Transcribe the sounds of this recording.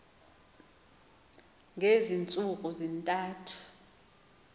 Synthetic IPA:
ŋʱezint͡sʼukʼuzintʼaːtʰu̥

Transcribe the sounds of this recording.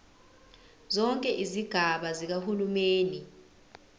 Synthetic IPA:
zɔŋkʼɛʔiziɡ̥ʱaɓazik̬ahulumeːni

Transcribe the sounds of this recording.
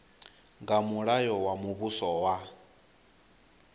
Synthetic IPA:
ŋɡamuɺajɔwamuβusɔwa

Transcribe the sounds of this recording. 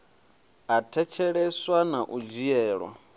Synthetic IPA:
atʰɛt͡ʃʰɛɺɛswanaʔud͡ʒijɛːɺwa̰

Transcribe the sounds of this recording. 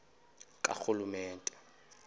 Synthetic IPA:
kʼa̰k͡xulumɛːntʼɛ̥

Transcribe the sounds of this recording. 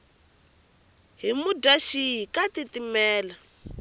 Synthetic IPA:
ɦimudaʃiɦikatitimɛːla

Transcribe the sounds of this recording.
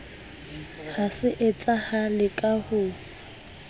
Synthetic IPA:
hasɪʔɪt͡sʼahalɪkʼahʊ

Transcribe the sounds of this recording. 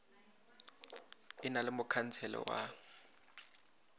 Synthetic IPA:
ɪnalɪmʊkʰan̩t͡sʰɛlɔ̰wa

